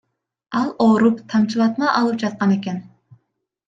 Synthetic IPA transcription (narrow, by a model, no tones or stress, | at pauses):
ɑlˠoɾupt̪ʰɑmt͡ʃʰilˠɑt̪mɑʔɑlˠɨp̚d͡ʒɑt̪̚qɑnekʲɛn